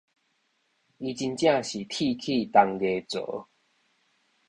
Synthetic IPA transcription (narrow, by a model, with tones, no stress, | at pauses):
i˧t͡ɕi˧nt͡ɕjã˥˧˨ɕi˨˩t̪ʰi˥˧˨kʰi˥˧t̪a˧ŋɡe˧t͡sə̰˨˦